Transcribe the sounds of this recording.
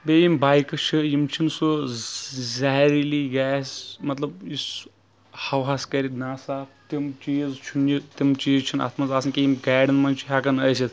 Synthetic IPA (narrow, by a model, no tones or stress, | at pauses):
bejimbaːjkɐt͡ʃʰɨjimt͡ʃʰinsu | zaɦɾiliɡaːsʲmɐt̪lɐbis | hɐwɦaːskɐɾit̪naːsaːp̚t̪imt͡ʃiːzt͡ʃʰunit̪imt͡ʃiːzt͡ʃʰina̰ːt̪ʰmɐzaːsɨnkʲijimɡaːɖɐnmɐnt͡ʃʰi̥ɦakɐnɐjsʲit̪